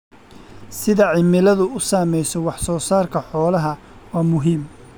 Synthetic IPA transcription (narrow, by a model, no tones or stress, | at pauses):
sɪðɐʕɪmɪlɐðʊʊsaːmɛjsɔwɑħsɔːsaːrkʰɐħɔːlɐɦɐ | waːmʊɦiːm